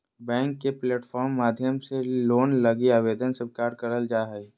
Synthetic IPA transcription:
bɛ̃ːŋkːepleːʈfʰɔːɾmːaːd̪ʱjəmseloːnlɐɡiaːʋeːd̪ənsəbkaːɾɖkəɾəld͡ʒaːɦɛ

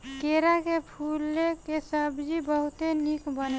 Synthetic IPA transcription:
keɾakepʰulekesəbd͡ʒibəɦut̪enikbən

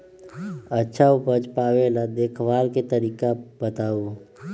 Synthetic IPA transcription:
ətːʃʰaʊpəd͡ʒpaːʋelad̪eːkʰʋaːlket̪əɾiːkabət̪aːu

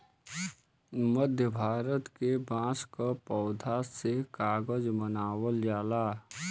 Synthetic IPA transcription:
məd̪ʱjəbʱaːɾət̪kebãːskapɔːd̪ʱasekaːɡəd͡ʒmənaːwəljaːlaː

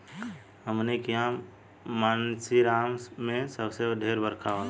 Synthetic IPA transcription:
ɦəmnekiã | maːnsiɾaːmmẽsəbsed̪ʱeːɾbəɾkʰã

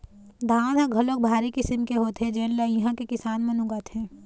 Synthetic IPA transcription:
d̪ʱãːnɦãɡʱɐlok̚bʱaːɾikɪsəmkeɦoːt̪ɦɛd͡ʒeːllajɐɦãkekɪsaːnmẽnʊɡat̪ʰɦɛ̃ː

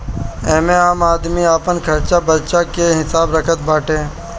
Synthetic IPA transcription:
ɛ̃ːmẽaːmaːd̪miaːpənkʰɐɾt͡ʃabəɾt͡ʃakeɦɪsaːbɾəkʰət̪bʱaːʈẽː

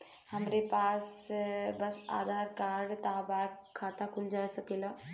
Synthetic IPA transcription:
həmɾepaːsbɐsa̰ːd̪ʱaːɾkaːɾɽt̪aːbaːkkʰːaːt̪akʊld͡ʒaːsɐkeːlaː

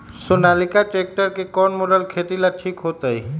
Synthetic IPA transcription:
sonaːlikaʈek̚ʈəɾkekɔːnmoɖəlkʰet̪ilaʈʰiːkɦoːt̪ai

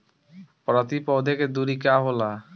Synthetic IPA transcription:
pɾɔt̪ipɔd̪ʱeked̪uɾikaɦola

